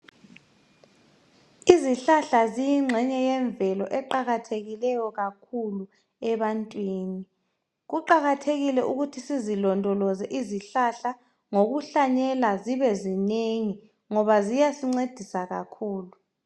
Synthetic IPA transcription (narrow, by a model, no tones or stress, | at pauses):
iziɬaɬazijiŋ͡ǁʱɛɲɛjɛɱbvɛlɔʔɛǃaɣatʰeɣilɛjɔɣakʰulu | ɛβantʼwiːni | ɣuǃaɣatʰeɣilɛʔuɣutʰisizilɔndʱɔlɔzɛʔiziɬaɬa | ŋoɣuɬaɲɛlaziβɛzineŋi | ŋɔβazijasiŋ͡ǀed̥ʱisaɣakʰuːlu